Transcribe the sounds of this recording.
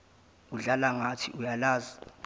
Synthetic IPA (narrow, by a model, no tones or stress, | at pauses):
uɮalaŋatʰiʔujalaːza